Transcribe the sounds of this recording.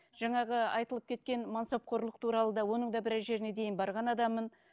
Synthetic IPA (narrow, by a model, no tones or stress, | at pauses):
ʒ̥ɑɴɑʁəɑjt̪əlˠəpkʲʰe̞t̪̚kʲe̞nmɑnsɑp̚qʰoɾlˠəq̚t̪ʰuɾɑlˠəd̪ɑwo̞nəɴd̪ɑbɪɾæʒe̞ɾɪne̞d̪e̞jɪnbɑɾʁɑnɑd̪ɑmːən